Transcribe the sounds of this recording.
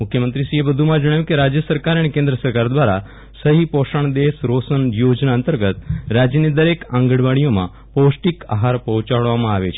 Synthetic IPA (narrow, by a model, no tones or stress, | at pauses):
mukʰjəmənt̪ɾisiebəd̪ʱumãd͡ʒəɽ̃ajukiɾad͡ʑjəsəɾkaɾaɽ̃ikẽnd̪ɾəsəɾkaɾd̪ʋaɾa | səɦipoʂəɳ̃d̪esɾosənjod͡ʒnaənt̪əɾɡət̪ɾad͡ʑjənid̪əɾekãŋɡəɽʋaɽ̃ijomã̰ | powsʈika̰ɦaɾpəɦut͡ʃaɭʋamãaʋḛt͡ʃʰe